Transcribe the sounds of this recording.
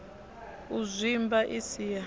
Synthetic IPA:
uzʷimbaʔisija

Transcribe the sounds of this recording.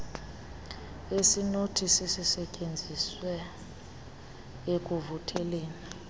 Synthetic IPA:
esinotʰisisisɛcʼend͡zʱiswɛ | ek̬ʼuvutʰɛleːni

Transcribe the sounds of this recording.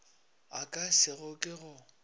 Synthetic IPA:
akʼasɪɣʊkʼɪɣʊ

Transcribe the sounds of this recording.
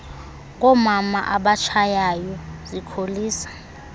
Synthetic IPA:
ŋ̬ʼɔmamaʔaɓat͡ʃʰajajɔzikʰoliːsḁ

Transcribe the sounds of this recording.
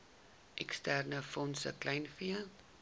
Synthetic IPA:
ʔɛkstærnəfɔnsə̰klɛjnfiə

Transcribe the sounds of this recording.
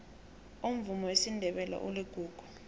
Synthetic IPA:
um̩vumɔwesindʱɛɓɛla̰ʔuliɡ̥ʱuːɡ̥ʱu̥

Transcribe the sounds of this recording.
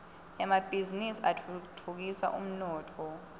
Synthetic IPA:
ɛmab̥ʱizinisiatʰtʰuk̬isa̰ʔṵm̩nɔːtʰɔ

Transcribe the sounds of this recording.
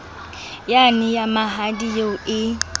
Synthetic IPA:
janɪjamaɦadijoɪ

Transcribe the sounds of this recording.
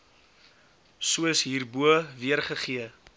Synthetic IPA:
suəəsɦiːrbuəviərχəχiə

